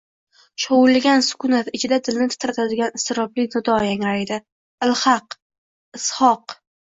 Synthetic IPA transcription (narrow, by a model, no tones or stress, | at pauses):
ʃowʊlɡʲansʊ̥kʰʊnat̪ɪt͡ʃʰɪd̪ad̪ɪlnɪt̪ʰɪ̥t̪ʰɾt̪ʰad̪ɪɡʲanɪst̪ʰɪɾɒblɪnɪd̪ɒjaŋaɾajd̪ɪ | ɪlhɑq | ɪshɒq